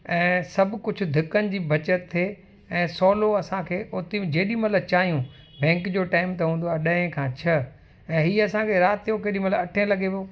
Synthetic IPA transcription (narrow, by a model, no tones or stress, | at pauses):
ɛ̃ːsɐbʱkʊd͡ʑʱʊ̆d̪ʱɪkənɪ̆d͡ʑiːbʱɐt͡ɕətt̪ʰːeː | ɛ̃ːsɔːloɐsãkʰeːʔoːt̪ĩd͡ʑeːɗĩmɐt̪lət͡ɕaːɦijũ | bɛ̃ːŋkd͡ʑoːʈaːɪmt̪ɐɦũːnd̪oaːɗɐ̃ɦẽkʰãːt͡ɕʰɐ | ɛ̃ːɦiːɐsãkʰeɾaːt̪ʰːijõkeːɗĩmɐt̪ləɐʈʰẽlɐɡʱepoː